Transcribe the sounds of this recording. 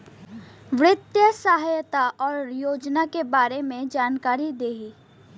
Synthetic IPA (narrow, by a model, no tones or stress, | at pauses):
ʋɾɪt̪jəsaɦajt̪aʔɔːɾjoːd͡ʒnakebaːɾemẽd͡ʒaːnkaːɾid̪eːɦi